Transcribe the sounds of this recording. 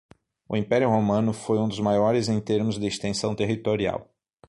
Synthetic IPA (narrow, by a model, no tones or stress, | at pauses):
ʊ̰ĩpɛɾjʊɦomɐ̃nʊfojũd̪ʊzmajɔɾɪzẽj̃t̪eɾmʊzd̪ɪest̪ẽsɐ̃w̃t̪eɦit̪oɾia̰w